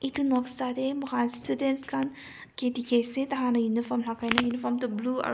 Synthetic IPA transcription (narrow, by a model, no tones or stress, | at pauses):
itunɔksad̪emɐɦanstʰudenskʰan | ketikʰesẽt̪ɐɦanɐjunipʰɔɾmlakʰajnɐjunipʰɔɾmtubluɐ̰